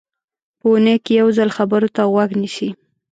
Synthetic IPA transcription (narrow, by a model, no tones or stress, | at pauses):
pəunəjkejawzalxabəɾot̪aɣwaɡniʃi